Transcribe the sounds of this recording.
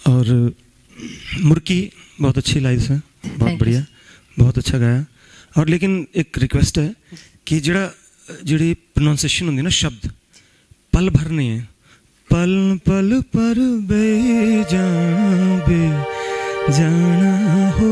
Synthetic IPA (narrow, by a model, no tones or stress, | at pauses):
ɔːɾ | mʊɾkiː | bɔːt̪ətːʃʰiːlaːisɛ̃ː | bɔːt̪̚bəɽijaː | bɔːt̪ətːʃʰaːɡaːjaː | ɔːɾleːkɪnɪkɾɪkʋɛːsʈɦɛː | kɪd͡ʒeːɽaː | d͡ʒeːɽiːpɾənãːnseːʃənɦʊ̃nd̪iːnaːʃəb̚d̪ | pəlbʱəɾnəĩːɛ̃ː | pəlpəlpəɾbed͡ʒaːabeː | d͡ʒaːnaɦo